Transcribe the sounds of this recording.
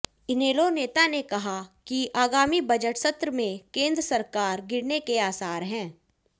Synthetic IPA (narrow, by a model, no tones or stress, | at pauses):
ɪneːloneːt̪anekɐɦakiʔaːɡaːmibɐd͡ʒəʈsɐt̪ɾəmẽkẽːnd̪ɾəsɐɾkaːɾɡɪɽnekeaːsaːɾɦɛ̃ː